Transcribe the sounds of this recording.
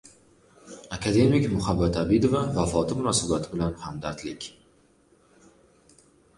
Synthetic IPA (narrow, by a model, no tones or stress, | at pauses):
akʰad̪e̞mɪkʲmʊhabːat̪abɪd̪ovavafɒt̪ʰɪmʊnɒsabat̪ʰɪbɪlanhamd̪aɾt̪lɪkʲ